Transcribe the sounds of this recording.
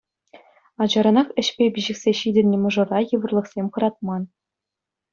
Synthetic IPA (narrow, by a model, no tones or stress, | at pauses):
ɑd͡ʑɑɾɤ̆nɑχɘ̆ɕpʲebʲiʑɘ̆kʲsʲeɕidʲɘ̆nʲːɘ̆mɤ̆ʐɤ̆rɑjɯ̆ʋɤ̆rlˠɤ̆χsʲemʲχɤ̆ɾɑt̪̚mɑn